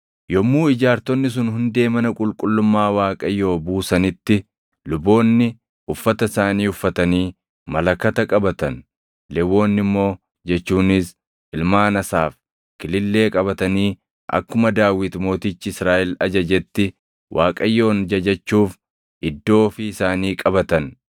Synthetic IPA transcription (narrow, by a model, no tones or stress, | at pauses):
jɔmːuːɪd͡ʒaːɾt̪ɔnːɪs̬ʊnhʊnd̪e̞ːmɐnɐkʼʊlkʼʊlːʊmːaːwaːkʼɐjːo̞ːbuːsɐnɪt̪ːɪ | lʊbo̞ːnːɪ | ʔʊfːɐt̪ɐɪsaːniːʊfːɐt̪ɐniː | mɐlɐkːɐt̪ɐkʼɐbɐt̪ɐn | lɛwo̞ːnːɪmːo̞ː | d͡ʒɛt͡ʃːuːnɪs | ɪlmaːnɐsaːf | kɪlɪlːe̞ːkʼɐbɐt̪ɐniː | ʔɐ̰kːʊmɐd̪aːwɪt̪mo̞ːt̪ɪt͡ʃːɪɪsɾaːʔɛlɐd͡ʒɐd͡ʒɛt̪ːɪ | wʔaːkʼɐjːo̞ːnd͡ʒɐd͡ʒɐt͡ʃːuːf | ɪd̪ːo̞ːfɪɪsaːniːkʼɐbɐt̪ɐn